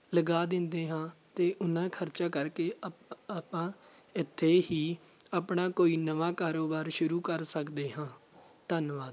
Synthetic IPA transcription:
ləɡaːd̪ɪ̃nd̪eːɦãːt̪eːʔʊnãːkʰəɾt͡ʃaːkəɾkeːaːpãːɪt̪ʰːeːhiːəpɳaːkoːiːnəʋãːkaːɾoːbaːɾʃʊɾuːkəɾsəkd̪eːɦãː | t̪ənʋaːd̪

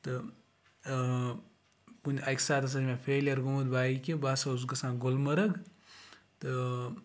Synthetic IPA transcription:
t̪ɨ | punʲɐkʲsaːt̪ɐs̬ɐd͡ʒmẽpʰeːlijɐɾɡumɐd̪baːikʲebaːsɐuzkɐsãːɡolmɐɾɐɡ | t̪ɨ

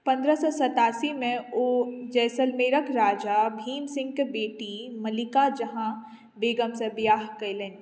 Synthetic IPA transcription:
pɐ̃nd̪ɾəsɔsɐt̪aːsimẽoːd͡ʒɛːsəlmeːɾəkʰɾaːd͡ʒabʱiːmsɪ̃ŋɡkbeːʈimɐlɪkad͡ʒɐɦã | beːɡəmsɐ̃bjaːɦkɐilẽːn

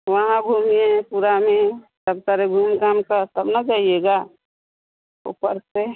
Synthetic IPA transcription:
ʋəɦãbʱumiẽpuɾamẽsəb̚t̪əɾebʱumkaːmkaɾt̪əbnad͡ʒaːijeɡa | ṵpəɾt̪e

